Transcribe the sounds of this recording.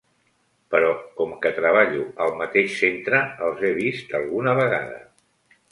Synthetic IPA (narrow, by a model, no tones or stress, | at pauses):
pəɾɔkɔmkət̪ɾəβ̞aʎuəlˠmət̪eʃsent̪ɾəəlˠzeβ̞ist̪əlˠɣunəβəɣa̰ðə̰